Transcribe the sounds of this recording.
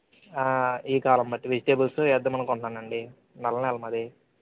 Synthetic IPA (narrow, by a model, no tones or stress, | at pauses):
aːiːkaːlɐmbɐʈːiʋid͡ʒiʈeːbulsuɛd̪ːɐmɐnɐŋkɔɳʈːaːɳːɐɳɖi | nɐlːɐnɛlɐmɐd̪i